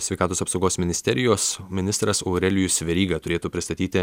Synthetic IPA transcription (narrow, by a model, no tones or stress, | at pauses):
sʲɛɪkɑːt̪oːsɐpsɒʊɡoːsmʲɪnʲɪsʲt̪ʲɛɾʲɪjoːsmʲɪnʲɪst̪ɾɐsoːɾʲɛlʲɪjʊsʲʋʲɛɾʲiːɡɐt̪ʊɾʲeːt̪uːpʲɾʲɪst̪ɐt̪ʲiːt̪ʲɪ